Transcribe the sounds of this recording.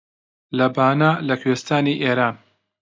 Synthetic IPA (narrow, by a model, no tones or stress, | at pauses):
lɐbaːnaːlɐkʰweːst̪aːniːʔeːɾaːn